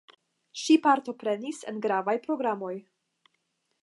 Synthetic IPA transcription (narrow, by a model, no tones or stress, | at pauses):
ʃipaɾto̞pɾe̞nisenɡɾavajpɾo̞ɡɾamo̞j